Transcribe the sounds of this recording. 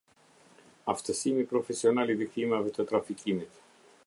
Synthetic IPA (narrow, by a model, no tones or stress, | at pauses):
ɐft̪esimipɾofesionɐliðikθimɐvet̪ot̪ɾɐficimit̪